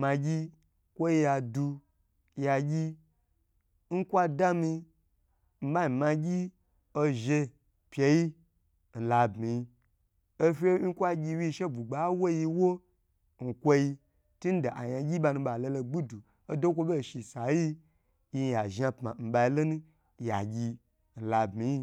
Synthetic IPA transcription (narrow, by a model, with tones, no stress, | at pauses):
ma˧ɡʲi˦ | kʷo˦ji˧ja˨du˧ | ja˨ɡʲi˦ | n̩˦kʷa˦da˦mi˧ | m̩˦ba˦mi˨mã˧ɡʲi˦ | o˧ʒe˧ | pʲje˧ji˦ | n̩˨la˨bmi˨ji˧ | o˦fʲe˦n̩˦kʷa˦ɡʲi˧wi˦˧ʃe˦bu˨ɡ͡ba˨˦wo˦ji˧wo˦ | n̩˨kʷo˦ji˧ | tu˦n̩˦da˨ʔa˨ja˧ɡʲi˦ba˧nu˧ɓa˨lo˧lo˧ɡ͡bu˦du˨ | o˦do˦kʷo˦be˦˨ʃi˨sa˨ji˦ | ji˧˨ja˨ʒa˧pma˨m̩˨ba˧i˧˦lo˦nũ˦ | ja̰˨ɡʲi˧ | n̩˨la˨bmi˨˦ji˦